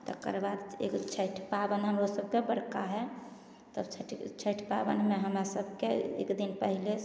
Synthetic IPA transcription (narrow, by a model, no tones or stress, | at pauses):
t̪ə̰kə̰ɾbad̪ekt͡ʃʰəʈʰpabənɦəmɾosəb̚kebəɽkaɦɛ | t̪əbt͡ʃʰəʈt͡ʃʰəʈʰpabə̰nmeɦəmɾasəbʱkeḛkd̪inpəɦile